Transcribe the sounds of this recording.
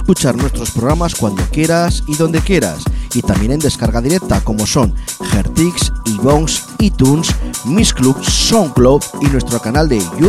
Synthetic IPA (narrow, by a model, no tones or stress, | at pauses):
skut͡ʃaɾnwe̞st̪ɾo̞spɾoɣɾamaskwand̪o̞kje̞ɾasiðo̞nd̪e̞kje̞ɾa̰sit̪ambje̞ne̞nd̪e̞skaɾɣaðiɾek̚t̪ako̞mo̞so̞ŋxeɾt̪iksiβo̞ŋs | it̪unsmiskluksːoŋkloβinwe̞st̪ɾokanald̪eʝu